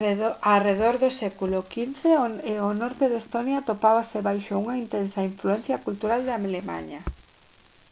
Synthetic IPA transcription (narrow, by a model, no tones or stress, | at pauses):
areðoɾðʊsɛkulʊkinθeonɔɾt̪eðest̪onjat̪opaβaseβajʃouŋaint̪ɛnsɐiɱfluɛn̟θjɐkult̪uɾald̪ɐmelema̰ɲɐ